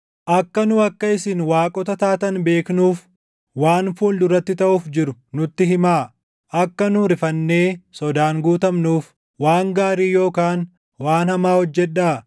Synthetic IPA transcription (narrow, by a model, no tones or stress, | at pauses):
ʔɐkːɐnʊɐkːɐɪsɪnwaːkʼɔt̪ɐt̪aːt̪ɐnbe̞ːknuːf | waːnfuːld̪ʊɾɐt̪ːɪt̪ɐʔuːfd͡ʒɪɾʊnʊt̪ːɪɦɪmaː | ʔɐkːɐnʊɾɪfɐnːe̞ːsɔd̪aːŋɡuːt̪ɐmnuːf | waːŋɡaːɾiːjo̞ːkaːn | waːnhɐmaːhɔd͡ʒːɛᶑaː